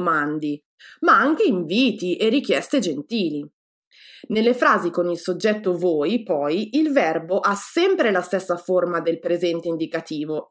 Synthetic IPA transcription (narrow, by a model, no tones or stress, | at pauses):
mand̪i | maaŋk̟eiɱviːt̪iʔerːik̟jɛst̪ed͡ʒent̪iːli | nelːefɾaːzikonilsod͡ʒːɛt̪ːovoːjpɔjilvɛrboʔasɛmpɾelast̪esːaformad̪elpɾezɛnt̪eind̪ikat̪iːvo